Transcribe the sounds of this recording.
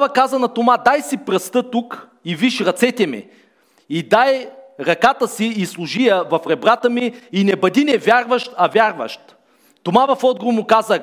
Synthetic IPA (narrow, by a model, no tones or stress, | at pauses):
vəkazɐnɐt̪ʊmad̪ajsipɾɐst̪ɤt̪uk | iviʃɾɐt̪sɛt̪ʲɛmḭ | id̪ajɾɐkat̪əsiislˠʊʒijəvɐfɾɛbɾat̪əmiːnɛbɐd̪inɛvʲjaɾvəʃt̪ɐvʲjaɾvɐ̰ʃt̪ | t̪ʊmavɐfɔd̪̚ɡɾʊmʊkazə